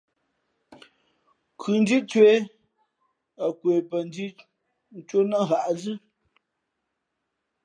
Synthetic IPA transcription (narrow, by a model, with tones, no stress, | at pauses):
kʰʉ˨n˦d͡ʒi˦t͡ʃwe˨˦ | ə˨kwe˨pə˨n˦di˦ | n̩˦t͡ʃwo˦nə˦ɣa˨ʔzɨ˦